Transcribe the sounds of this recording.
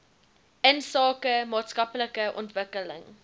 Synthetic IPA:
ʔənsɑːkəmɑːtskɐpləkəʔɔ̰ntvəkələ̰ŋ

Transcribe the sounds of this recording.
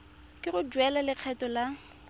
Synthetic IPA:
kʼɪɣʊd͡ʒwɛlalɪq͡χʰɛtʼɔla

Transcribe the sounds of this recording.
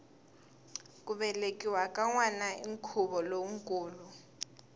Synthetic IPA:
kʼuɓɛlekʼiwakʼaŋwanaiŋkʰuβɔloŋ̩kʼuːlu

